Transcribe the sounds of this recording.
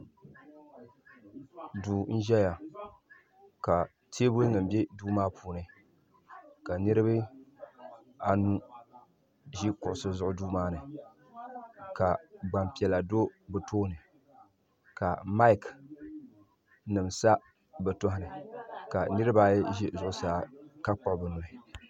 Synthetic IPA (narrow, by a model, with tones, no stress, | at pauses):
duː˨n̩˦ʒɛ˦ja˨ | ka˨ | tʰe˦bo˦ŋɨ˨m̩˨bɛ˦duː˦maː˦puː˨nɨ˦ | ka˨nɨ˦ɾɨ˦bɨ˦ | a˨nu˦ | ʒi˦kʊ˨ʔʊ˨sɨ˦zʊ˨˦ʔʊ˦duː˦maː˦nɨ˨ | ka˨ɡ͡ba˨mpi˨ɛ˨la˨do˦bɨ˨toː˦nɨ˨ | ka˨ma˦ɪ˨k | nɨ˨msa˦ | bɛ˨to˦hɪ˦˨nɨ˨ka˨nɨ˦ɾɨ˦baː˦jʒɛ˦zʊ˨ʔʊ˨saː˦ka˦k͡pɔ˨ʔbɨ˨nʊ˨ɨ˨